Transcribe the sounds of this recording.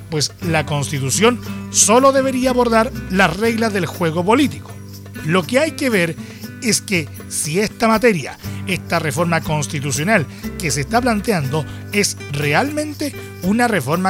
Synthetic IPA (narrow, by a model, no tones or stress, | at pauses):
pwe̞slako̞nst̪it̪usjo̞nso̞lo̞ðe̞βe̞ɾiaːβo̞ɾðaɾlare̞ɣlaðe̞lxwe̞ɣ̞o̞po̞lit̪i̥ko̥ | lo̞ke̞ajke̞βe̞ɾ | e̞ske̞ | siest̪amat̪e̞ɾja̰e̞st̪are̞fo̞ɾmako̞nst̪it̪̬usjo̞nal | ke̞seːst̪ap̬lant̪eand̪o̞ | e̞srealmẽnt̪e̞ | unare̞fo̞ɾma